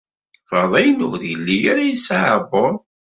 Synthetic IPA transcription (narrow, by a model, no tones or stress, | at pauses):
fɑðˤæjənʊ̰ðjəlːijaɾajisaʕəboɾˤ